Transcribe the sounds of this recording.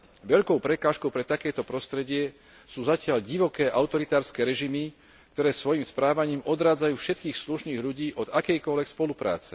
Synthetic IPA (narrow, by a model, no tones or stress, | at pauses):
ʋɛʎkɔʊpɾɛkaːʃkɔʊpɾɛt̪akɛːt̪ɔpɾɔst̪ɾɛɟɪɛ | suːzacɪaʎɟiʋɔkɛːʔaʊt̪ɔɾit̪aːɾskɛɾɛʒimi | k̚t̪ɔɾɛːsʋɔjimspɾaːʋaɲiːmɔd̪ɾaːd͡zajuːfʃɛt̪kiːxsluʃniːɣʎuɟiːʔɔd̪akɛjkɔlʋɛkspɔlupɾa̰ːt͡sɛ